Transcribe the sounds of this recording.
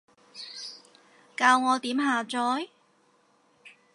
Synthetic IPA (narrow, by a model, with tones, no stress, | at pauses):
kaː˧wŋɔː˨˧t̪iː˨˥mɦaː˨˧t͡sɔː˨˥j